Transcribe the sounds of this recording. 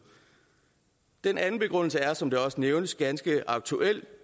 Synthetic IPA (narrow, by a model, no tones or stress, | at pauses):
d̥enʔænn̩b̥e̝ɡ̥ʁɔ̽n̰l̩səæɐsɒ̽md̥e̝ɒ̽səneʊnəsɡ̥ænsɡ̥əɑ̈ɡ̥̚t͡sʰuʔel̰